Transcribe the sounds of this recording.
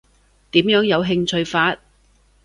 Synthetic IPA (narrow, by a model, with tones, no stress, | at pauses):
t̪iː˨˥mjœː˨˥ŋjɐ˨˧wɦɪ˧ŋt͡ʃʰɵ˧ɥfaː˧t̚